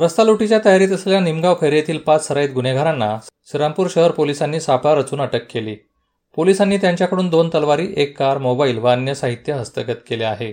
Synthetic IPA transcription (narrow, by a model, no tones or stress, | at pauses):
ɾəst̪aluʈit͡ɕjat̪əjaɾiːt̪əsleljanimɡaʋkʰəjɾjet̪ʰiːlpat͡ssəɾait̪̚ɡuneɡʱaɾanːasiɾampuːɾɕəɦəɾpolisanːiːsapaɾət͡suːnəʈəkːeliː | polisanːiːt̪jaɲt͡ɕjakəɽuːnd̪ont̪əlʋaɾiːʔekːaɾmobaiːlʋanjəsaɦit̪jəɦəst̪əkət̪keleaɦe